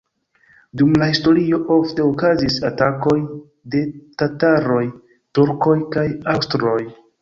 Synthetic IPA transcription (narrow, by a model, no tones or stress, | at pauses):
dumlahisto̞ɾio̞ʔo̞fte̞okazisatako̞j | de̞tataɾo̞j | tuɾko̞jkajawstɾo̞j